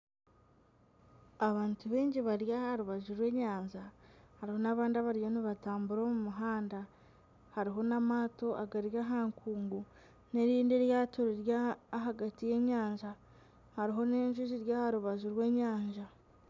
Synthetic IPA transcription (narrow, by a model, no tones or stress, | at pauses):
aβaːntuβe̞ːɲɟiβaɾjahaɾuβaʒuɾwe̞ːɲaːɲʒahaɾiho̞naβaːndiaβaɾijo̞niβataːmbuɾo̞ːmumuɦaːnda | haɾiɦo̞namaːto̞ʔaɡaɾjaɦaːŋkʰuːŋɡu | ne̞ɾiːndeɾjaːtoɾiɾjaːɦaɡatije̞ːɲaːɲʒa | haɾiɦo̞neːɲʒuziɾjahaɾuβazuɾwe̞ːɲaːɲʒa